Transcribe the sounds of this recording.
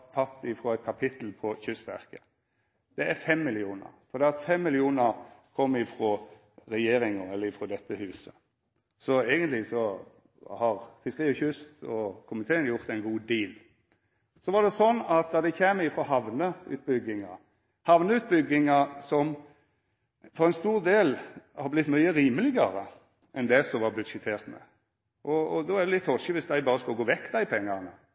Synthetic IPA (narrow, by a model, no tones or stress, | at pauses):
t̪ʰɑt̪ːɪfɾoːɛɪt̪̚kʰɑpʰɪt̪l̩pʰɔçʏst̪ʋæ̰ʁkə | d̪̥ɛæɾfɛmːɪlɪuːnə̰ɾfɔɾd̪ɛːɑt̪fɛmːɪlɪuːnəɾkʰɔmːɪfɾo | ɾɛjeːɾɪŋəɛlːəɪfʁoːd̪ɛt̪ːəhʉːsə | sɔeːɡənt̪lɪsɔ | hɑʁfɪskəʁiːɔçʏst̪ɔkʰʊmət̪ʰeːənjʊʁt̪ɛɪnɡuːd̪iːl | sɔʋɑd̪ɛsɔnːɑt̪̚d̪ɑd̪ɛçeːmɪfɾɔɦɑʋnəʉ̰ːt̪̚bʏɡːɪŋɑ | hɑʋnəʉːt̪̚bʏɡɪŋɑsɔm | fɔʁɛɪnst̪uːʁd̪eːlhɑɾblɪt̪ːmyʏəɾiːməlɪɡəʁə | ʔɛnd̪ɛsɔʋɑbʉd̪ʃɛt̪ʰeːʁt̪mɛ̰ | ʔɔd̪ɔæd̪ɛlɪt̪ʰːhɔʃəʋɪsd̪æɪbɑːɾəskɑɡoːʋɛkːd̪æɪpʰɛŋːɑʁnə